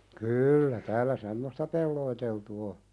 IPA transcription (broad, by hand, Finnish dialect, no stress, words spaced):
kyːlːæ tæːlæ semːostɑ pelːoiteltu o